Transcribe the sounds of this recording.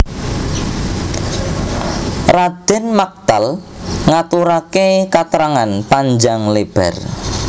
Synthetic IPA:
rad̪̥ɪ̤nmak̚t̪alŋat̪uɾakekat̪əɾaŋanpaɲd͡ʒaŋleb̥ɛ̰r

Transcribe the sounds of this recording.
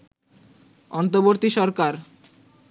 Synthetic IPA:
ɔnt̪oboɾt̪iʃɔɾkaɾ

